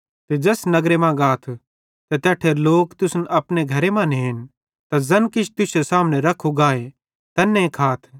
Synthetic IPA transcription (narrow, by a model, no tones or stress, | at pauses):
t̪ed͡ʒɐsnɐɡɾemãɡaːt̪ʰ | t̪et̪ɛːʈʰeloːkt̪ʊsnʔɐpneɡʱɐɾemãːneɦɪn | t̪azɐnkɪt͡ʃʰt̪ʊsesaːmñɛ̃ɾɐkʰuɡaːe | t̪ɐnːẽkʰaːt̪ʰ